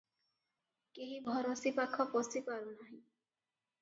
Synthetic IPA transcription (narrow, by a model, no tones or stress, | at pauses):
keɦibʱɔɾosipakʰːɔpɔsipaɾunaɦĩ